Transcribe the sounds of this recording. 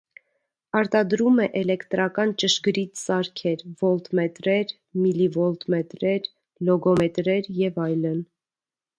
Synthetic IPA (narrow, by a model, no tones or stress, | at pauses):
ɑɾt̪ɑd̪ɾumɛʔɛlɛkt̪ɾɑkɑnt͡ʃəʃɡɾit̪sɑɾkʰɛɾvɔlt̪mɛt̪ɾɛɾ | milivɔlt̪mɛt̪ɾɛɾ | lɔɡɔmɛt̪ɾɛɾjɛvɑjlən